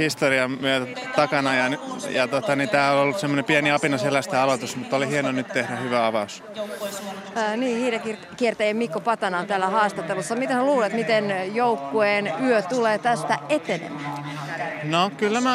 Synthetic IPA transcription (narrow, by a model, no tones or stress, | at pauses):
hist̪oriɑmmyøt̪æt̪ɑkɑnɑjɑnjɑt̪ot̪ɑnint̪æːololːussemːonepiɛniɑpinɑselæst̪æɑlot̪usmut̪ːˑolihienonyt̪t̪ehɾæhyʋæɑʋɑus | niːhiːɾækir | kiert̪æjemikːopɑt̪ɑnɑːnt̪æːlːæhɑːst̪ɑt̪ːelusːɑmit̪eseluːlet̪mit̪enjoukːuenyøt̪uleːt̪æst̪æʔet̪enḛmæ | nokylːæmæ